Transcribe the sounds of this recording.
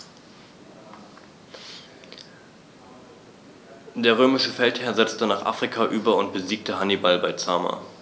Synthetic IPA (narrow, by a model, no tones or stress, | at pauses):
d̥eːɐʁ̞øːmɪʃəfɛlthɛːɐzɛt͡stənaːχʔa̰ːfʁ̥ikʰaʔyːbɐʊnt̚b̥əziːk̚təɦanibalbaɪt͡saːma̰